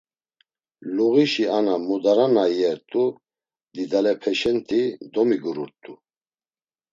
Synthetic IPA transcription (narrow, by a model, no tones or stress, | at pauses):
luɣiʃianamud̪aɾanajɛɾt̪ʼu | d̪id̪alɛpʰɛʃɛnt̪ʰʼid̪ɔmiɡuɾuɾt̪ʼu